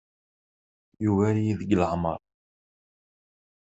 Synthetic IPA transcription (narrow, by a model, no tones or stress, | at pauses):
juvæɾijiðəɡələʕmə̰ɾˤ